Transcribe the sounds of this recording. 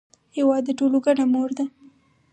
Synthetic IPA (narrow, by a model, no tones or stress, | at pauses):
hewɑd̪ːəʈoloɡaɽamoɾd̪a